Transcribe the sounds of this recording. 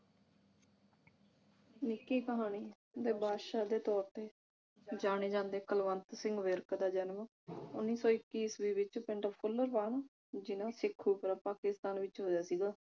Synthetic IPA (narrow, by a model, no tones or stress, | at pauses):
nɪkːiːkəɦaːñiː | d̪eːbʱaːʃaːd̪eːt̪ɔːɾt̪eː | d͡ʒaːɽ̃eːd͡ʒãːnd̪eːkəlʋənt̪sɪ̃ŋɡʋəɾkd̪aːd͡ʒənm | ʊ̰nːiːsɔːɪkːiːsʋiːʋɪt͡ʃpɪɳɖəpʰʊlːəɾʋaːɳaː | d͡ʒɪnãːsɪkʰːuːpəɾaːpaːkɪst̪aːnʋɪt͡ʃɦoːjaːsiːɡaː